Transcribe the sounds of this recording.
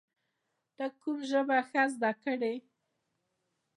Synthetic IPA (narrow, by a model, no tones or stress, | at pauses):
d̪̥əkumʒəbaxazd̪ɑkəɽe